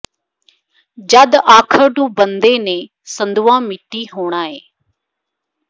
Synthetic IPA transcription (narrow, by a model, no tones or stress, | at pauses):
d͡ʒɐd̪aːkʰəɾɖũːbənd̪eːnẽː | sə̃nd̪uãːmɪʈiɦoːɽ̃aːɦeː